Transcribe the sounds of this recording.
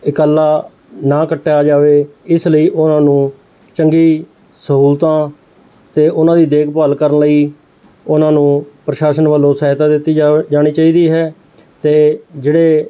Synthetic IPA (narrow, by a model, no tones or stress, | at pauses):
ɪkəlːaː | nãːkəʈːaːd͡ʒaːʋeːɪsləiːʔʊnãːnũː | t͡ʃəŋɡiː | səɦuːlt̪ãː | t̪eːʔʊnãːd̪iːd̪eːkʰpəːlkəɾənləiː | ʊnãːnũːpɾəʃaːʃənʋəlːõːsəɦɪt̪aːd̪ɪt̪ːiːd͡ʒaːɽ̃iːt͡ʃaːiːd̪iːɦɛː | t̪eːd͡ʒeːɽeː